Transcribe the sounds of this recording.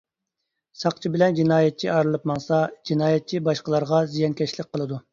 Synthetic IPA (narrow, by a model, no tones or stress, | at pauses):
sɑqt͡ʃʰibɪlɛnd͡ʒinɑːjɛt̪̚t͡ʃʰiʔɑɾɨlˠɨpmɑŋsɑd͡ʒinɑːjɛt̪̚t͡ʃʰibɑʃqəlˠɑɾʁɑzijɑnkʲɛʃlɪk̚ʲqʰːəlˠɨd̪u